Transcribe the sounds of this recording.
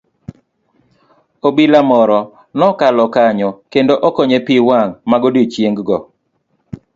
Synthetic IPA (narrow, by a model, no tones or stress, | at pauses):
obilamɔɾɔ | nɔkalɔkaɲɔkendoʔɔkɔɲepiwaŋmaɡodit͡ʃjeŋɡɡɔ